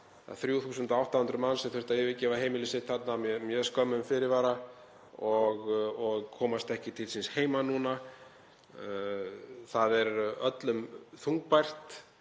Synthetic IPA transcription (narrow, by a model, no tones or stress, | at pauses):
a̰ðθɾjuθuːsʏnt̪ɔawht̪ahʏnt̪ɾʏmansɛθʏ̥ɾ̥ht̪aɪvɪcɛːvaɦeːjmɪlɪsɪt̪θat̪nammjœːskœmʏmfɪɾɪɾvaːɾa | ɔɣɔɣkʰɔːmast̪ɛhcɪt̪ʰɪlsɪnsheːjmanuna | θaðɛɾœt̪lʏmθuŋk̚pajr̥t̪